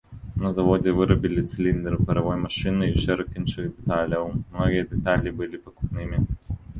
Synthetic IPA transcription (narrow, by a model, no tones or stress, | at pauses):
nɐzɐvɔd͡zʲɛvɨɾɐbʲilʲit̪sɨlʲind̪ɛɾɨpɐɾɐvɔjmɐʂɨnɨiʂɛɾɐkinʂɨɣd̪ɛt̪alʲɐwmmnɔɣʲijɐd̪ɛt̪alʲibɨlʲipɐku̥pnɨmʲi